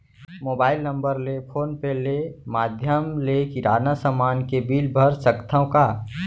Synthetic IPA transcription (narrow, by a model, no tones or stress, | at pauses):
moːbaːɪlnə̃mbəɾlepʰoːnpelemaːd̪ʱjəmlekiɾaːnasəmaːnkebiːlbʱəɾsəkt̪ʰəõka